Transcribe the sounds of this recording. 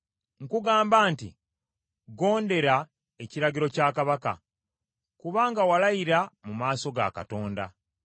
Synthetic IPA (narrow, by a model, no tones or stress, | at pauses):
ŋ̩kuɡaːmbaːntḭ | ɡo̞ːnde̞ɾa | eciɾaɡiɾo̞caːkaβaka̰ | kuβaːŋɡawalajiɾamumaːso̞ɡa̰ka̰to̞ːnda̰